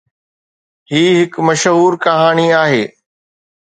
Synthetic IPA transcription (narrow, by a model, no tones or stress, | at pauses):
hiːɦɪkmɐʃɦuːɾkɐɦaːɽ̃iaːɦeː